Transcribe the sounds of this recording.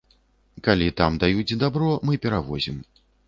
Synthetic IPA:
kalʲit̪amd̪ajut͡sʲd̪abɾɔmɨpʲɛɾavɔzʲim

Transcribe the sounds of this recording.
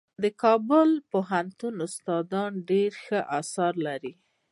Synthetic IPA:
d̪əkɑbʊlpoɦant̪unʊst̪ɑd̪ɑnɖeɾxəʔasɑɾlaɾi

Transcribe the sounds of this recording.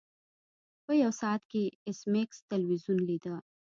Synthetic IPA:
pəjɐwsɑt̪keɪsmekst̪ɐlwizunlid̪a

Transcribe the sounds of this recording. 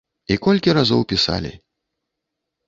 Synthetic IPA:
ikɔlʲkʲiɾazɔwpʲisa̰lʲḭ

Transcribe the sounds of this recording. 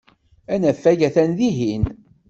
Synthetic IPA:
ænæfːæʝæθænðiɦin

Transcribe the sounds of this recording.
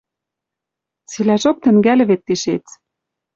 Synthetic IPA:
t͡silæʒok̚t̪ɘ̆ŋɡælɘ̆βet̪ːiʃet͡s

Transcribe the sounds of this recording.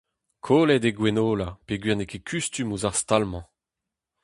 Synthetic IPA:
kʰoːlɛdeɡwɛnoːlapeɡɥiʁnekʰekʰyst̪ymuzaʁst̪almɑ̃

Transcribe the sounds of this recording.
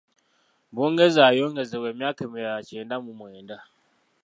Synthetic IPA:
bɔŋɡezajɔŋɡezɛwɛmakəmijaat͡ʃɛndamumɔjɛnda

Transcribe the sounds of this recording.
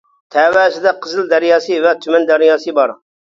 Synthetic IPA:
t̪ʰɛːwæːsɪd̪ɛqʰəzɨlˠd̪æɾjɑːsɨvɛt̪ʰymɛnd̪æɾijɑːsɨbɑɾ

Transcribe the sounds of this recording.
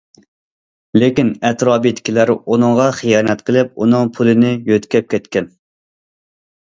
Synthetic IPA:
lekʲinɛt̪ɾɑːbit̪ʰɪ̥kʲilæɾunɨŋʁɑχijɑːnɛt̪qʰəlɪp̚unɨŋpʰulˠɨnɪjøt̪kʲʰɛp̚kʲʰɛt̪kʲɛn

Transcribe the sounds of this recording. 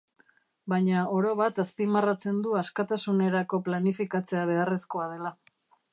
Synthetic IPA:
bajɲao̞ɾo̞βat̪aspimarat͡se̞nd̪uaskat̪asune̞ɾako̞planifikat͡se̞aβ̞e̞aresko̞að̞e̞la

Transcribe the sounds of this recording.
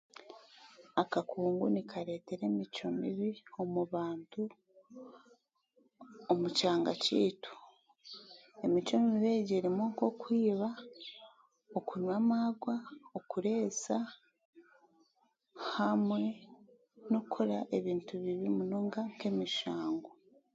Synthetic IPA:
akakuːŋɡunikʰaɾe̞ːte̞ɾe̞ːmit͡ʃo̞mḭβio̞muβaːntu | omucaːŋɡa̰cḭːtu̥ | e̞mit͡ʃo̞mimiβeːɟeːɾimoko̞kwiːβa | okuɲwaːmaɡwaokuɾe̞ːsa | hamwe̞ | nokʰoɾaʔe̞βiːntuβiβimunoːŋɡaŋke̞ːmiʃaːŋɡo

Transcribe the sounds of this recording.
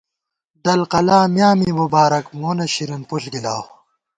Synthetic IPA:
d̪ɐlqɐlaːmjaːmiːmubaːɾɐkmoːnɐɕiɾɐnpuɬɡilaː

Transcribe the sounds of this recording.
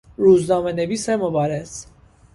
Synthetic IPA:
ɾuːznɒːmeneviːsemobɑːɾes

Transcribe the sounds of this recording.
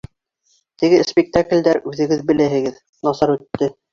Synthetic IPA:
t̪ɘ̆ɡɘspʲɪk̚t̪aklʲd̪æɾʉðɘ̆ɡɘðbɘ̆læɦɘ̆ɡɘð | nɑsɑɾʉt̪ːɘ

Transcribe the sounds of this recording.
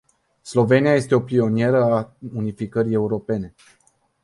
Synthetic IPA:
slo̞ve̞niaje̞st̪e̞o̞pio̞nije̞ɾəaunifikəɾie̞uɾo̞pe̞ne̞

